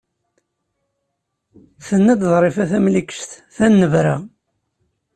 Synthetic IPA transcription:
θənːæd̪ðˤɾˤefæθæmlikə̥ʃt̪ | θænːəvɾa

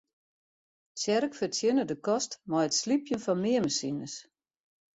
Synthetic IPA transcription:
sjɛɾəkfərtʰjɪnədəkɔstmɔjətslipʰjənfɔnmɪəməsinəs

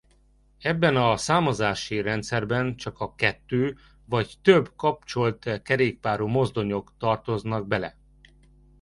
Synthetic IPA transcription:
ɛbːɛnɒsaːmɒzaːʃiɾɛnt̪sɛrbɛnt͡ʃɒkɒkɛt̪ːøː | vɒct̪øbkɒp̚t͡ʃo̞lt̪kɛɾeːk̚paːɾuːmo̞zd̪o̞ɲo̞kt̪ɒrt̪o̞znɒɡ̚bɛlɛ̰

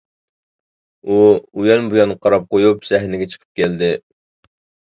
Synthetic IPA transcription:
uujɛnbujɑnqʰɑɾɑp̚qojupsɛɦnɪɡʲɛt͡ʃʰə̥qʰə̥p̚kʲɛld̪ɪ

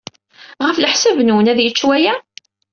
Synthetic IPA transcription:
ʁəfləħsævnwənæðjət͡ʃːwæjæ

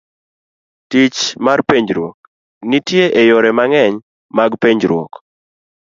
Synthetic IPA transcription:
tit͡ʃmarpeɲd͡ʒɾwok̚ | nitjeʔejoɾɛmaŋɛɲ | maɡpeɲd͡ʒɾwɔ̰k

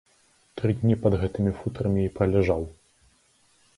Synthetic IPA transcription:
t̪ɾɨd̪ʲnʲipɐd̪ɣɛt̪ɨmʲifut̪ɾɐmʲiipɾɐlʲɛʐaw

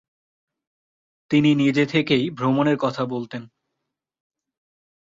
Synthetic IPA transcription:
t̪ininid͡ʑet̪ʰekejbʱɾomoneɾkɔt̪ʰabolt̪en

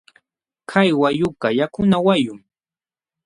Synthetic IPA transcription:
kʰajwajʊkajakʊnawajʊŋ

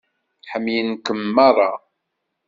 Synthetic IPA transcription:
ħəmːjənkəmːɑrˤɑ̰

